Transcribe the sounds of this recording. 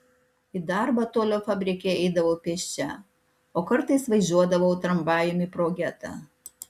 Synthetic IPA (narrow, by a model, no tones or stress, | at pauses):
id̪ɑɾbɑt̪oːlʲoːfɑːbʲɾʲɪkʲeɛɪd̪ɐʋoʊpʲɛʃʲt͡ʃʲɛ | oːkɐɾt̪ɐɪsʋɐɪzʲuɔd̪ɐʋoʊt̪ɾɐmbɑːjomʲipɾoːɡʲɛt̪ɑ̰ˑ